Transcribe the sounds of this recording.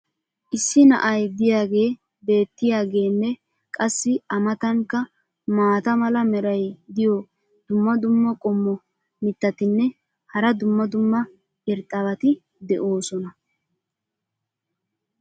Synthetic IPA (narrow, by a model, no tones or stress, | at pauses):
ʔɪsːɪnɐ̰ʔɐjd̪ɪjaːɡe̞ː | be̞ːt̪ːɪjaːɡe̞ːnːɛ | kʼɐsːɪɐmɐt̪ɐŋkːɐ | maːt̪ɐmɐlɐmɛɾɐjd̪ɪjɔ | d̪ʊmːɐd̪ʊmːɐkʼɔmːɔ | mɪt̪ːɐt̪ɪnːɛ | hɐɾɐd̪ʊmːɐd̪ʊmːɐ | ɪɾt̪ʼːɐβɐt̪ɪ | d̪ɛʔo̞ːsɔnɐ